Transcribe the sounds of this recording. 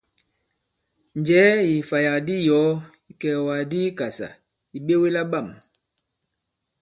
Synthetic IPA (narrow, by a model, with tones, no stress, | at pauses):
n˨d͡ʒɛː˨˦ji˨fa˨ja˨di˦jɔ˨˦ | i˨kɛ˨wa˨di˦ka˨sa̰˨ | i˨ɓe˦we˦la˦ɓa˦˨m